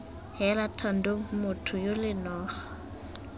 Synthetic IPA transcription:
hɛlatʰɔn̩doŋ̩mʊtʰʊjolɪnɔːχḁ

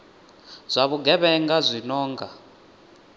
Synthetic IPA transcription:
z̥ʷaβuɡɛβɛŋɡazʷinɔːŋɡa

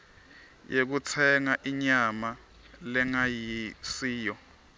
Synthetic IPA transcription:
jʔek̬ut͡sʰɛŋaʔiɲama | lɛŋajisiːjɔ

